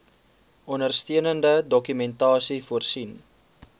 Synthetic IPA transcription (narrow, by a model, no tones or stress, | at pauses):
ʔɔnərstiənəndədɔkymɛntɑːsifuərsin